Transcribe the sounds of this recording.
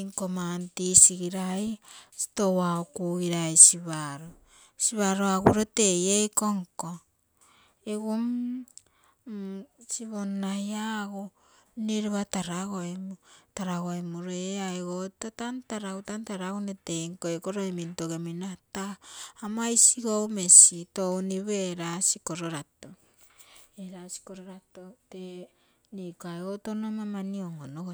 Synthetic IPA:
ŋkomantisiɡiɾajsi̥towaokuiɾajsiβaɾo | siβaɾoaɡuɾotejejkoŋko | eɡom | siβonajaɡo | neɾeβataɾaɣoemutaɾaɣoemuɾeaeɣotatantaɾawtantaɾaunete̞ŋkoekoɾoemintoɡeminataːmajsiɡome̞sitowniβeɾasiko̞ɾoɾato | eɾasi̥koɾoɾatote | nikoaeɣotonamamanioŋonoo

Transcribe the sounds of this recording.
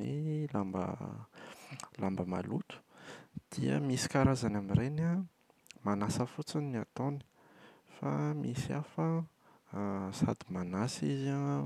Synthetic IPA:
ḭlambə̰ | lambəma̰lut̪u̥d̪̥iə̰misi̥kaɾazanaminɾena | manasəfut͡siniat̪oni̥ | fa̰misiafə | sa̰d̪imanasiza

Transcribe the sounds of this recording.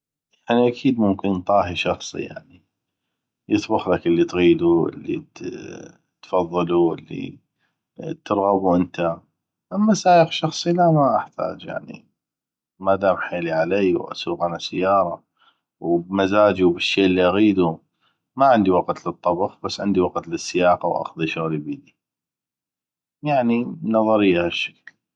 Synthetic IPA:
jaʕniʔakʰiːd̪mʊmkənt̪ˤɑːɦiʃɑxsˤḭja̰ʕni | jɨt̪ˤbʊxlakʔəlːit̪ɣiːd̪uʔə̰lːḭt̪ | t̪fɑðˤːɨluʔə̰lːḭ | t̪ɨɾˤɣɑbuʔənt̪a | ʔamːasaːjəxʃɑxsˤilamaʔaħt̪ʰa̰ːd͡ʒja̰ʕnḭ | mad̪aːmħeːliʕalejwʔa̰suːqʔanasɪjːɑːɾˤɑ | wbmazaːd͡ʒubɪʃːeːʔəlːiʔaɣiːd̪u | maʕɪnd̪iwɑqt̪lɨt̪ˤːɑbxbasːʕɪnd̪iwɑqt̪lɪsːɪjɑːqawʔa̰xðˤiʃoɣlibiːd̪i | jaʕninɑðˤɑɾɪjːahaʃːḁkl

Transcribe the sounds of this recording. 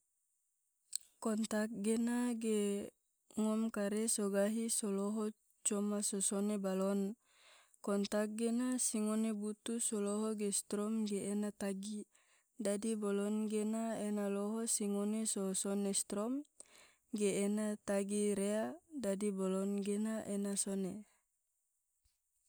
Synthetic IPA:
kɔnt̪ak̚ɡenaɡe | ŋɔmkaɾesoɡaɦisoloɦɔ | t͡ʃɔmasosonebalɔn | kɔnt̪ak̚ɡenasiŋonebut̪usɔloɦɔɡest̪ɾɔmɡeːnat̪aɡi | dadibolɔnɡenaenaloɦosiŋonesosonest̪ɾɔm | ɡeːnat̪aɡiɾeadadibolɔnɡenaʔenasone

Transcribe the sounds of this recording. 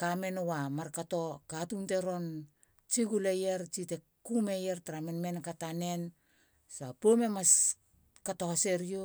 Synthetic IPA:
kame̞nowamaɾkato̞katunte̞ɾo̞n | t͡ʃiɡulejeɾt͡ʃite̞ | kume̞jeɾtaɾamenmenkatane̞n | sapome̞mas | katohase̞ɾio

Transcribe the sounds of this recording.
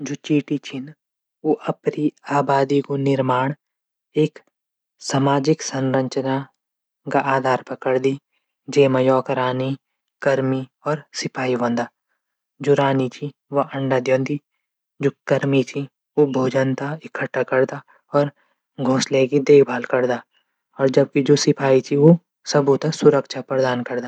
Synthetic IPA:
d͡ʒoːt͡ʃiːʈit͡ʃʰin | oʔɐpniaːbaːd̪ikonɪɾmaːɳ̃ | eːk | saːmaːd͡ʒɪksɐ̃nɾə̃ɲt͡ʃna | kaʔaːd̪ʱaːɾpɐkəɽd̪i | d͡ʒeːmɐjɔːkəɾaːni | kɐɾmiɔːɾsɪpʰaːiʋɐ̃nd̪aː | d͡ʒoːɾaːnit͡ʃʰi | ʋoʔɐ̃ɳɖad̪jõːnd̪i | d͡ʒoːkɐɾmit̪ʰi | ʋobʱoːd͡ʒənt̪aɪkʰəʈːakɐɾd̪a | ɔːɾ | ɡʱõːsleɡid̪eːkʰbʱaːlkɐɾd̪aː | ɔːɾd͡ʒɐb̚kid͡ʒoːsɪpʰaːit͡ʃ̪ʰiʋo | sɐbʱut̪asʊɾəkʃʰapɐɾd̪aːnkɐɾd̪aː

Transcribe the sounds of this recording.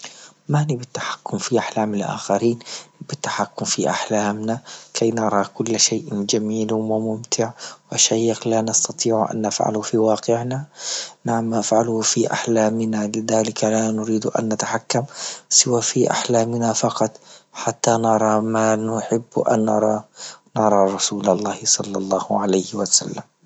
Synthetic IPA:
manibɪt̪ːḁħḁkːʊmfiʔaħlaːmɪlʔa̰ːxaɾiːnbɪt̪ːḁħakːʊmfiʔaħlaːmnakʰajnɑɾˤɑkʊlːʃeːʔd͡ʒamiːlwɪmʊmt̪ʰɪʕwaʃaːjɪxlanɑst̪ɑt̪ˤiːʕʔa̰nːa̰fʕa̰lʊfiwɑːqɪʕnanaʕamʔafʕalhfiʔa̰ħlaːmɪnalɪðaːlɪkalanʊɾiːd̪ʔa̰nːat̪aħakːamsɪwaːfiʔa̰ħlaːmnafɑqɑt̪ˤħat̪ːanɑɾˤɑmanʊħɪbːʔa̰nːɑɾˤɑːnɑɾˤɑɾˤɑsuːlɑlˤːɑːhsˤɑlːɑlˤːɑːhʕalajhwasa̰lːam

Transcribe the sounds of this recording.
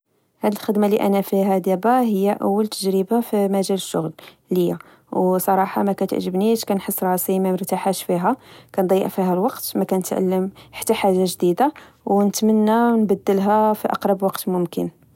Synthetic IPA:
hæd̪əlxəd̪maliʔæ̰næfiɦæd̪jæbæɦəjːæʔəwːəlt̪ʰəʒɾəbafimæʒæləʃːʊɣl | ləjːa | wsˤɑɾˤɑħɑmækæt̪ə̰ʕʒəbniʃkænħəsˤːɾˤɑsimæməɾt̪aħæʃfiɦækænd̪ˤɑjːə̰ʔfiɦælwɑqt̪mækænət̪ʕa̰lːəmħḁt̪ːaħaʒaʒd̪id̪a | wnət̪mənːænbæd̪ːəlɦæfiʔɑ̰qɾˤɑbwɑqt̪mʊmkən

